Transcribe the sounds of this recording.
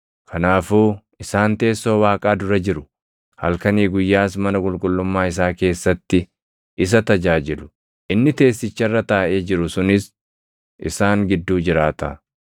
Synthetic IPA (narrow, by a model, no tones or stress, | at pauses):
kʰɐnaːfuː | ɪsaːnt̪e̞ːsːo̞ːwaːkʼaːd̪ʊɾɐd͡ʒɪɾʊ | hɐ̰lkɐniːɡʊjːaːs̬mɐnɐkʼʊlkʼʊlːʊmːaːɪs̬aːke̞ːsːɐt̪ːɪ | ʔɪs̬ɐt̪ɐd͡ʒaːd͡ʒɪlʊ̥ | ʔɪnːɪt̪e̞ːsːɪt͡ʃːɐrːɐt̪aːʔe̞ːd͡ʒɪɾʊsʊnɪs | ʔɪ̰saːŋɡɪd̪ːuːd͡ʒɪɾaːt̪ɐ̰